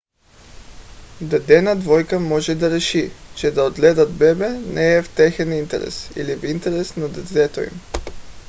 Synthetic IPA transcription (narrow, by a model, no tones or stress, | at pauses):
d̪ad̪ɛnɐd̪vɔjkəmɔʒɛd̪aɾɛʃit͡ʃɛd̪aod̪ɡlɛd̪əd̪bɛbɛnʔɛːft̪ɛxɛnint̪ɛ̰ɾɛ̰sḭlivint̪ɛɾɛsnad̪ɛd̪ɛt̪oḭm